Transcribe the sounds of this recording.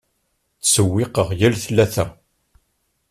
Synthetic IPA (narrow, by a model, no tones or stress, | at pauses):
t͡sːsəwːɪqəʁjælθlːæθæ